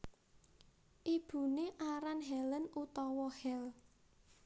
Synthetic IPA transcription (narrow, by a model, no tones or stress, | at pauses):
ʔib̥ṳneʔaɾanɦɛlənut̪ɔwɔhɛl